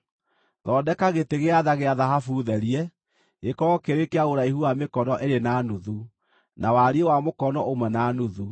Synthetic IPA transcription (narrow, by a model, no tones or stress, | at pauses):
ðɔːdɛkaɣeteɣeaðaɣeaðaɦafuðɛɾiɛ | ekɔɔkeɾekeaoɾaihuamekɔnɔʔeɾenaːnuðu | nawaɾiɛwamokɔnɔomwɛnaːnuðu